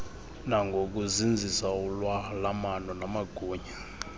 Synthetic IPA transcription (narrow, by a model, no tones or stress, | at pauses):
naŋɡʱok̬uzind͡zʱisaulwalamanɔnamaɡ̥ʱuːɲa